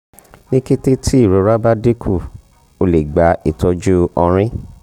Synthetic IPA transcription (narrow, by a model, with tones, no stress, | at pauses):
nĩ˦ke˦te˦tʰi˦i˦˨ɾo˨˦ɾa˦ba˦de˦kʰu˦˨ | o˨˧le˨ɡ͡ba˨˦i˦˨tɔ˧˦d͡ʒu˦ɔ̃˧ɾ̃ĩ˦